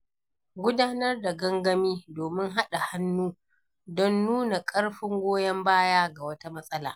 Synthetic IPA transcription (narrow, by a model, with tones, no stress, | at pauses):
ɡʷʊ˦daː˦nɐ˦rda˨ɡɐ˦ŋɡɐ˦miː˦doː˨mɪ˦ŋɦa˦ɗa˨ha˦nːuː˦ | dɔ˦nːuː˦na˨kʼɐ˦ɽɸɪ˦ŋɡʷoː˦jɐ˦mbaː˦jaː˦ɡa˨wɐ˦ta˦mɐ˦sʼɐ˦la̰ː˨